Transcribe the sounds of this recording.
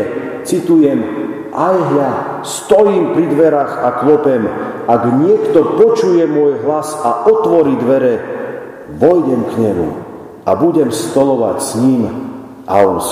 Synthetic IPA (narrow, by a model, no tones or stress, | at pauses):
t͡sit̪ujɛm | ʔajɦja | st̪ɔjiːmpɾid̪ʋɛɾaxaklɔpɛmaɡɲɪɛkt̪ɔpɔt͡ʃujɛmʊɔjɦlasaʔɔt̪ʋɔɾiːd̪ʋɛɾɛ | ʋɔjɟɛmkɲɛmṵ | abuɟɛmst̪ɔlɔʋa̰csɲim | ʔa̰ɔns